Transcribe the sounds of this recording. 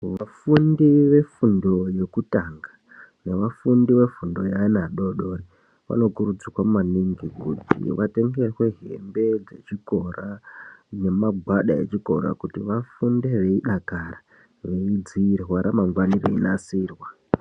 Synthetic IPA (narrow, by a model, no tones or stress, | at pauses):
ʋafundiʋe̞fundo̞je̞kutaŋɡa | ne̞ʋafundiʋe̞fundo̞jainaɗo̞ɗo̞ri | ʋa̰no̞kuɾud͡zikwamumaniŋɡikutḭʋate̞ŋɡe̞rwe̞ɦe̞̰mbe̞d͡ze̞t͡ʃiko̞rʔane̞maɡʱwaɗae̞̰t͡ʃiko̞ɾa̰kutiʋafundeʋe̞iɗakara | ʋe̞id͡ziːrwaɾamaŋɡwanirḛinasiːrwa